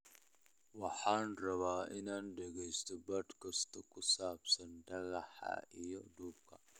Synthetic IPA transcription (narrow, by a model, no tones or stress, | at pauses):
wɑħaːnrɐβaːɪnaːnɖɛɣɛjst̪ʰɔbɐd̪kʰɐst̪ʰɔkʰʊsaːbsɐnɖɐɣɐħɐ̰ʔijɔɖ̪uːb̚kʰɐ